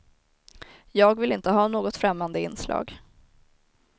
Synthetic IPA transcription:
jɑːɡvɪlɪnt̪əɦɑːnoːɡɔt̪fɾɛmːand̪əɪ̰nːslɑ̰ːɡ

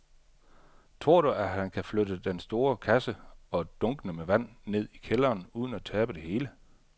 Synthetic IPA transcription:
t͡sʰʁoɐ̰ɾ̥uʔæɦænkʰæflød̥əd̥ensd̥o̝ːɐkʰæsəɒ̽d̥ɔ̽ŋɡ̥ənəmeʋæn̰ne̝ð̞̰ˠikʰelɐːnuːð̞ˠn̩æt͡sʰɛːb̥əd̥e̝he̝ːlə

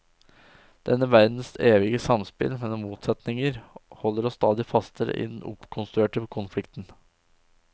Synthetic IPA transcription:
d̪̥ɛnːəʋæɾd̪n̩seːʋɪɡəsɑmspɪ̰lmɛnɔmːuːt̪sɛt̪nɪŋəɾhɔlːəɾɔst̪ɑːd̪ɪfɑst̪ʰəɾə̰ʔɪ̰d̪ɛnʊ̰pkʰʊnst̪ɾʉeːʈəkʰʊnflɪkt̪n̩

